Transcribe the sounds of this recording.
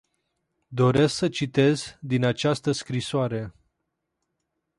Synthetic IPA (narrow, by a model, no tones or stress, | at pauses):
d̪o̞ɾe̞sksət͡ʃit̪e̞zd̪inat͡ʃast̪əskɾisoaɾe̞